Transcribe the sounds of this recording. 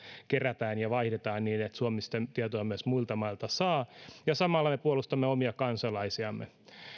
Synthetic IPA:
keræt̪æːnjɑʋɑihdet̪ɑːnniːnet̪suomist̪ent̪iɑt̪oɑmyæsmuilt̪ɑmɑilt̪ɑsɑːjɑsɑmɑlːɑmepuolust̪ɑmːeomiɑkɑnsɑlɑisiɑmːḛ

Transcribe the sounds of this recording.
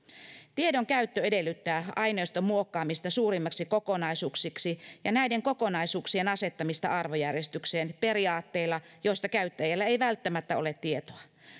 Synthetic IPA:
t̪iedoŋkæyt̪ːøedelːyt̪ːæːɑineist̪omuokːɑːmist̪ɑsuːrimːɑksikokonɑisuːksiksijɑnæideŋkokonɑisuːksienɑse̞t̪ːɑmist̪ɑ̰ʔɑrʋojærjest̪ykseːnperiɑːt̪ːeilːɑjoist̪ɑkæyt̪ːæjælːæejʋælt̪ːæmæt̪ːæo̰let̪tiet̪oɑ

